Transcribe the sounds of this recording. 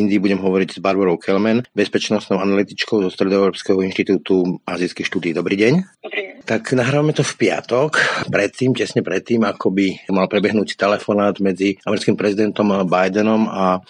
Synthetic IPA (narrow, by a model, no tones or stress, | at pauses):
ind̪ibuɟɛmɦɔʋɔɾiɟz̥baɾbɔɾɔʊkʰɛlmɛnbɛspɛt͡ʃnɔst̪nɔʊanalit̪it͡ʃkɔʊzɔst̪ɾɛd̪ɔɛʊɾɔːpskɛɦɔinʃt̪it̪uːt̪uʔaziːskixʃt̪uːd̪iːd̪ɔbɾiːɟɛɲt̪aknaɦɾaʋamɛt̪ɔfpɪa̰t̪ɔkpɾɛt̪ːiːmcɛsɲɛpɾɛt̪ːiːmakɔbimalpɾɛbɛɦnuːtt̪ɛlɛfɔnaːd̪mɛd͡ziamɛɾit͡skimpɾɛzid̪ɛnt̪ɔmbajd̪ɛnɔma